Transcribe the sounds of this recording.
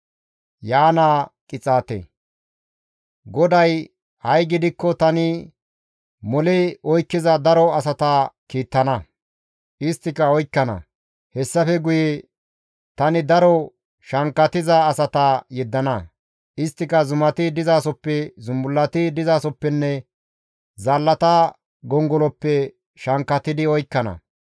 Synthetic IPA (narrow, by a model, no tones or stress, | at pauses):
jaːnakʼɪt͡sʼaːt̪ḛ | ɡɔd̪ɐj | hɐjɡɪd̪ɪkːɔt̪ɐnɪ | mɔlɛɔjkːɪzɐd̪ɐɾɔɐsɐt̪ɐkiːt̪ːɐnɐ | ʔɪst̪ːɪkɐɔjkːɐnɐ̰ | hɛsːɐfɛɡʊjɛ | t̪ɐnɪd̪ɐɾɔ | ʃɐŋkːɐt̪ɪzɐːsɐt̪ɐjɛd̪ːɐnɐ | ʔɪst̪ːɪkɐzʊmɐt̪ɪd̪ɪzaːsɔpːɛzʊmbʊlːɐt̪ɪd̪ɪzaːsɔpːɛnːɛ | zalːɐt̪ɐ | ɡɔŋɡɔlɔpːɛ | ʃɐŋkːɐt̪ɪd̪ɪɔjkːɐnɐ̰